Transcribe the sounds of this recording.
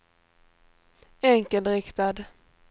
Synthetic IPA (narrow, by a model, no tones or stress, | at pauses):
ɛŋkəld̪ɾɪkt̪ad̪